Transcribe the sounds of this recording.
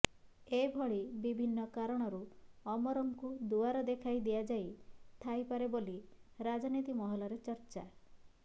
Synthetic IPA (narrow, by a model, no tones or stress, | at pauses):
ebʱɔɭibibʱinːɔkaɾɔɽ̃ɔɾuɔmɔɾɔŋkud̪uaɾɔd̪ekʰajd̪ijad͡ʒajt̪ʰajpaɾeboliɾad͡ʒɔnit̪imɔɦɔlɔɾet͡ʃɔɾt͡ʃa